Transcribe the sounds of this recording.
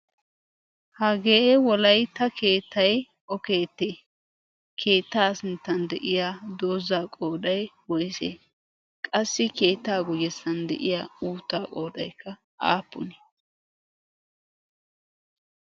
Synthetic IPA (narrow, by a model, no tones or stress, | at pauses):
hɐɡeːʔɛwɔlɐjt̪ɐkʰe̞ːt̪ːɐj | ʔɔke̞ːt̪ːeː | kʰe̞ːt̪ːaːsɪnt̪ːɐnd̪ɛʔɪjaːd̪o̞ːzaːkʼo̞ːd̪ɐjwɔjsḛː | kʼɐsːɪke̞ːt̪ːaːɡʊjɛsːɐnd̪ɛ̰ʔɪjaːuːt̪ːaːkʼo̞ːd̪ɐjkʰːɐ | ʔa̰ːpːʊ̰ne̥